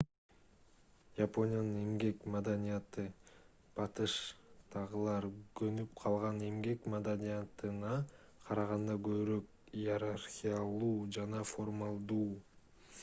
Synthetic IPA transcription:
japo̞nʲɪjanɯne̞mɡe̞kmad̪anʲijat̪ɯ | b̥ɑt̪ɯʃt̪ʰɑʁɯlˠɑɾɡɵnypqʰɑlˠʁɑne̞mɡe̞kmad̪anʲijat̪ɯnɑ | qʰɑɾɑʁɑnd̪ɑɡø̞βyɾø̞k | ijeɾarxʲijalˠuːd͡ʒɑnɑfo̞rmalˠd̪uː

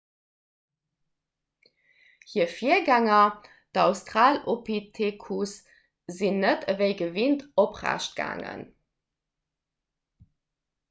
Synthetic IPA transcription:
hiːɐfiɐɡæŋɐ | d̥ɑʊstʁaːlopitʰekʰus | zinːətəveɪɡəvintopʁæ̰ɕt̚ɡ̥a̰ːŋə̰n

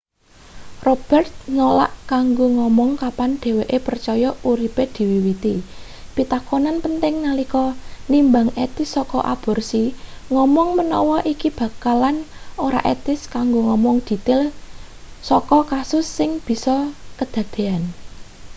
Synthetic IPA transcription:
rob̥ɛrt̪̚nola̰ʔkaŋɡoŋɔmɔŋkapanɖ̪̥e̤weʔepərt͡ʃɔjɔuɾiped̪̥i̤wiwit̪i | b̥i̤t̪akonanpənt̪ɪŋnalikɔnimbaŋet̪ɪsɔkɔ̰ʔab̥ɔ̤rsiŋɔmɔŋmənɔ̰wɔʔikib̥ä̤kalanoɾa̰ʔet̪ɪskaŋɡoŋɔmɔŋd̪̥i̤t̪ɪl | sɔkɔkasʊsːɪŋb̥i̤sɔkəd̪̥ä̤d̪̥e̤an

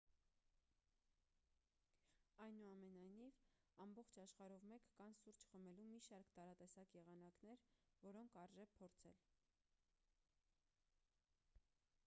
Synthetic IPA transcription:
ɑjnuɑmɛnɑjniv | ɑmbɔχt͡ʃʰɑʃχɑɾɔvmɛkːɑnsuɾt͡ʃʰχəmɛlumiʃɑɾkt̪ɑɾɑt̪ɛsɑkjɛʁɑn̪ɑknɛɾvɔɾɔŋkʰɑɾʒɛvpʰɔɾt͡sʰɛ̰l

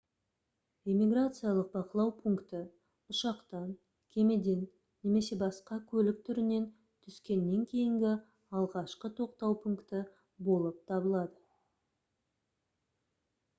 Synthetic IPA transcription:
emʲiɡrat̪sɨjalˠəq̚bɑqəlˠɑwpʰuŋkt̪ɪ | ʊʃɑqt̪ɑn | kʲʰe̞me̞d̪e̞nː | e̞me̞se̞bɑsqɑkʲʰɵlɪk̚t̪ʰʏɾɪne̞n | t̪ʰʏskʲe̞nːe̞ŋkʲʰe̞jɪŋɡʲɪ | ɑlˠʁɑʃqət̪ʰo̞qt̪ɑwpʰuŋkt̪ə | bo̞lˠəp̚t̪ʰɑbəlˠɑd̪ə

